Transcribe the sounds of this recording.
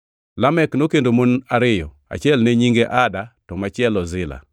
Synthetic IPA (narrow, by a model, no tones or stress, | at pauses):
lamɛknokendomonaɾɪjɔ | a̰t͡ʃjɛlnɛɲiŋɡeʔadatɔmat͡ʃɪɛlɔzɪla̰